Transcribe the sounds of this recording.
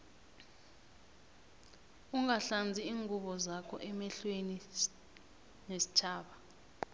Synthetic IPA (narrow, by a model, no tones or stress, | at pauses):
uŋaɬand͡zʱiiːŋʱuɓɔzakʰɔ̰ʔɛmɛɬweni | nesi̥t͡ʃʰaːɓa